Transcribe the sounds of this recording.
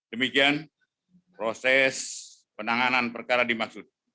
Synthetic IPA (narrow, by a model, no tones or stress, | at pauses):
dəmikian | pɾosɛs | pənaŋananpərkaɾadimaksʊt̪̚